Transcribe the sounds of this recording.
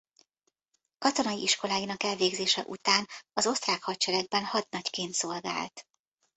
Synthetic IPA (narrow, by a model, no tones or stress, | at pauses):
kɒt̪o̞nɒjiʔiʃko̞laːjinɒkɛlveːɡzeːʃɛ̰ʔṵt̪aːnɒzo̞st̪raːkhɒt̪̚t͡ʃɛɾɛɡ̚bɛnhɒd̪nɒckeːnt̪so̞lɡa̰ːlt̪